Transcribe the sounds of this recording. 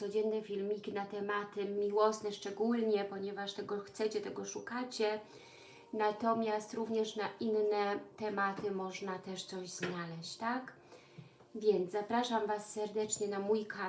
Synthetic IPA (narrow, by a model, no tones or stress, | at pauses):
sɔd͡ʑɛnːɛfʲilmʲikʲinat̪ɛmat̪ɘmʲiwɔsnɛʂt͡ʂɛɡulɲɛpɔɲɛvaʂt̪ɛɡɔxt̪sɛt͡ɕɛt̪ɛɡɔʂukat͡ɕɛ | nat̪ɔmʲjast̪ɾuvɲɛʂnaʔinnɛt̪ɛmat̪ɘmɔʐnat̪ɛʂt̪sɔʑznalɛɕt͡ɕt̪ak | vʲjɛnt̪zzapɾaʂamvasːɛɾd̪ɛt͡ʂɲɛnamujka